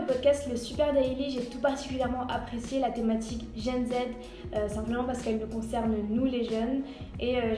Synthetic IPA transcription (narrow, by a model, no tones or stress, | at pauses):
əpɔd̪̚kʲast̪ləsypɛʁd̪ɛjliʒet̪upaʁt̪i̥kʲyljɛʁmɑ̃ʔapχesjelat̪emat̪ʰikʒɛnzɛd̪ | øsɛ̃pləmɑ̃paʁsə̥kɛlnukɔ̃sɛʁnnuleʒœn | eø